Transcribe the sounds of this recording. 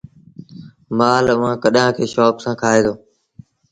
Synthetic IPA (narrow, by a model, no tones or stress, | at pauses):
maːlʋãːkəɗãːkʰeːʃɔːpsãːkʰaːeːd̪oː